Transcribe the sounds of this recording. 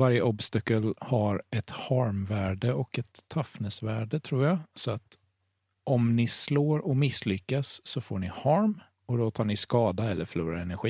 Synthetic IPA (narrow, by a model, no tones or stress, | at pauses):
vaɾjəʔɔbst̪akːəlhaɾɛt̪haɾmvæːɖəɔkɛt̪ʰːafnəsvæːɖət̪ʰɾuːɾjasɔat̪ | ʔɔmnɪsloːɾɔmɪsːlʏkːasːɔfoːɳɪhaɾm | ɔd̪ɔt̪ʰɑːɳɪskɑːd̪aɛlːəɾfœɭuːɾa̰ɾɛnæɾɧiː